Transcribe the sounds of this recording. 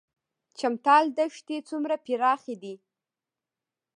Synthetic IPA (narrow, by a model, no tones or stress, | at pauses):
t͡ʃamt̪ɑld̪əʃt̪et͡sumɾapiɾɑxed̪i